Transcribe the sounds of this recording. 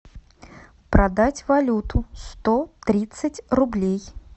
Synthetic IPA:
pɾɐd̪atʲvɐlʲut̪ʰʊst̪ot̪ɾʲit̪sɨtʲrʊblʲej

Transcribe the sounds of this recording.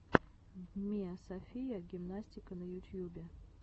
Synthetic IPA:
d̪mʲiɐsɐfʲijəɡʲɪmnasʲtʲɪkənəjʊt̪ʲjubʲɪ

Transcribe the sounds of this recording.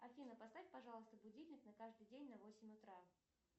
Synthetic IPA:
ɐfʲinəpɐst̪afʲpɐʐɑlˠəst̪əbʊdʲilʲnʲɪknɐkaʐd̪ɨjdʲenʲnɐvosʲɪmʲʊt̪ɾa

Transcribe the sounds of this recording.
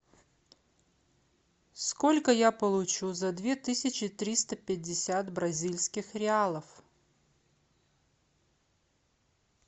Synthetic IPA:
sko̞lʲkəjapəlˠʊt͡ɕuzɐd̪vʲe̞t̪ɨsʲɪt͡ɕɪt̪ɾʲist̪əpʲɪdʲːɪsʲat̪bɾɐzʲilʲsʲkʲɪxɾʲɪalˠəf

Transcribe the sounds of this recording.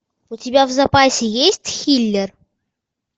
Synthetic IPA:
ʊtʲɪbʲavzɐpasʲɪjesʲtʲxʲilʲːɪr

